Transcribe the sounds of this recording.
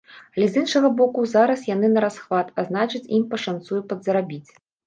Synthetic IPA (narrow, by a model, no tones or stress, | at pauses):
alʲɛzinʂɐɣɐbɔkuzaɾɐsjan̪ɨnɐɾasxvat̪aznat͡ʂɨt͡sʲimpɐʂant̪sujupɐd̪zɐɾabʲit͡sʲ